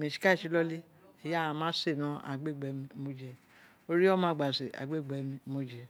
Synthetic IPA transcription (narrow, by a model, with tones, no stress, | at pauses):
mẽ˨ʃi̥˨˦ka˦˨i˨˦lɔ˦li˦ | ɛ˨jã˧˦mãː˦se˦˨nã˨˦a̰˨ɡ͡be˦˨ɡ͡bɛ˨˦m̃˧˦mo˦d͡ʒɛ˨ | o˦ɾi˦ɔ˦mã˨˦ɡ͡ba˨se˨a̰˨ɡ͡be˦˨ɡ͡bɛ˨˦mĩ˧mo˦d͡ʒɛ˨